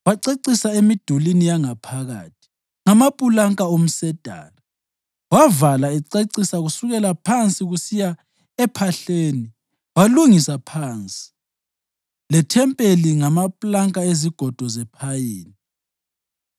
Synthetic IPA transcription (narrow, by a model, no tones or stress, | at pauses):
waǀeǀisaemid̥ʱulinijaŋapʰaɣa̰ːtʰi̥ | ŋamapʼulaŋkʼaom̩sɛd̥ʱa̰ːla | wavalaɛǀeǀisaɣusuɣɛlapʰant͡sʼiɣusija | ɛpʰaɬeːni | waluŋisapʰaːnt͡sʼi̥ | lɛtʰɛmpʼeliŋamapʼlaŋkʼaeziɡ̥ʱɔd̥ʱɔzɛpʰajiːni